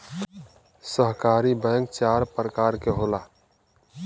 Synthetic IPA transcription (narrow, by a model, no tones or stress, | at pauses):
səɦkaːɾibɛ̃ŋk̚t͡ʃaːɾpɾəkaɾkeɦola